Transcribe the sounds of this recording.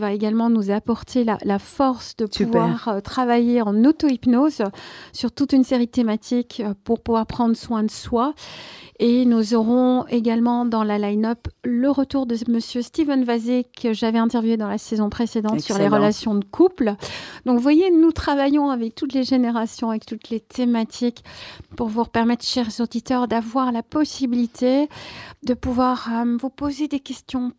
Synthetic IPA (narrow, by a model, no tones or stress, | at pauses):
vaeɡalmɑ̃nuzapɔʁt̪ʰelalafɔʁsd̪əpuvwaʁt̪χavajeɑ̃not̪oipnozsyʁt̪ut̪ynseʁid̪ət̪emat̪ʰikpuʁpuvwaʁpχɑ̃d̪ʁəswɛ̃d̪əswa | enuzɔʁɔ̃eɡalmɑ̃d̪ɑ̃lalajnɔpləʁət̪uʁd̪əməsjøst̪ivɛnvazekʰəʒavɛɛ̃t̪ɛʁvjued̪ɑ̃lasɛzɔ̃pχesed̪ɑ̃t̪syʁleʁəlasjɔ̃d̪əkʰupld̪ɔ̃kvwajenut̪χavajɔ̃avɛk̚t̪ut̪leʒeneʁasjɔ̃avɛkt̪ut̪let̪ʰemat̪ʰikpuʁvuʁpɛʁmɛt̪χʃɛʁzod̪it̪œʁd̪avwaʁlapɔsibilit̪ʰed̪əpuvwaʁəvupozed̪ekʲɛst̪jɔ̃